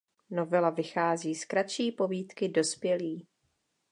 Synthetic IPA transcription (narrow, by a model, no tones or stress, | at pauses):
no̞vɛlavɪxaːziːskɾat̪t͡ʃiːpo̞viːt̪kɪdo̞spjɛliː